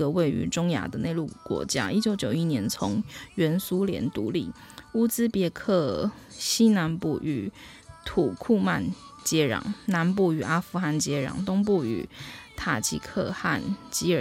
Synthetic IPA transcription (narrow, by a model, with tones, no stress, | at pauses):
ə˨we˥˩ɪy̰˧˥ʈ͡ʂʊ˥ŋja̰˧˥d̪ə˨ne˥˧ɪlu˥˩kwɔ̰˧˥t͡ɕja̰˥ʔi˥t͡ɕjo˨˧˥ʊt͡ɕjo˨˩ʊi˥njɛ˧˥nt͡sʰo˧˦ŋɥɛ˧˥nsu˦ljɛ̰˧˥nt̪u˧˦lḭ˥˩ | u˥˧t͡sɹ̩˦pjɛ˥˧kʰɤ˥˩ | ɕi˥na˧˥npṵ˨˩ʔy̰˨˩ | t̪ʰu˨˩kʰu˥˧ma˥˨n | t͡ɕjɛ˥ɻɑ̰˨˩ŋna˧˦npu˥˩y˨˩a˥fu˥xa˥˩nt͡ɕjɛ˥ɻɑ̰˨˩ŋt̪ʊ˥ŋp̬u˥˩y̰˨˩t̪ʰa˨˩t͡ɕḭ˧˥kʰɤ̰˥˧xa˥˨nt͡ɕi˥ə˨